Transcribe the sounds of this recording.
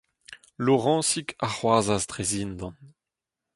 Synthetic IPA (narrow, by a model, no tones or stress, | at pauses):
loʁɑ̃ːsikʰaχwazasd̪ʁezind̪ɑ̃n